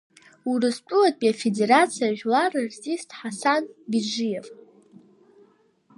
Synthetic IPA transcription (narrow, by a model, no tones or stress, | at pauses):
urɨspʼʊlatʼpʼiafede̞ɾat͡sʰijaʒᶣlarɨrtʼistʰʼħasanbid͡ʒijev